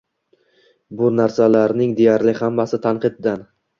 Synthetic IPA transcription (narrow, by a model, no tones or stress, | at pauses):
bʊnaɾsalaɾnɪŋd̪ejaɾlɪhamːasɪt̪ʰanqɨd̪d̪an